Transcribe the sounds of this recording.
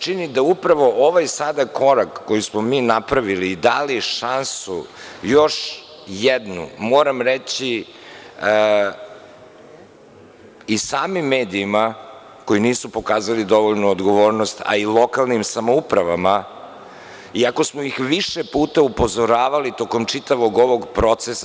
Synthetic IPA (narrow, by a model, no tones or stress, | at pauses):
t͡ʃinid̪aupɾaʋo̞ʔoʋajsad̪akʰo̞ɾakːojusmomiːnapɾaʋiliːd̪aliʃansujo̞ʃ | jɛd̪nṵmoːɾamɾet͡ɕi | isaːmimːeːd̪iːma | ko̞jiniːsupo̞kaːzalid̪o̞ʋoʎnuod̪ɡo̞ʋo̞ːɾnost̪a̰ilˠo̞kalˠnimsamoupɾaʋama | iako̞smoixʋiʃepuːt̪aupo̞zo̞ɾaːʋalit̪o̞komt͡ʂit̪aʋo̞ɡo̞ʋo̞ɡpɾo̞t̪sesa